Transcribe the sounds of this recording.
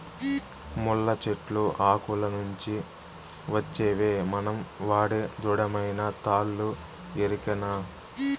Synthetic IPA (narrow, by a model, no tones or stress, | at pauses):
mulːɐt͡ʃeʈluʔaːkulɐnuɲt͡ʃi | ʋɐt͡ʃːeːʋeːmɐnɐmʋaːɽed̪uɽɐmɐjnɐt̪aːlːu | eɾikɐnaː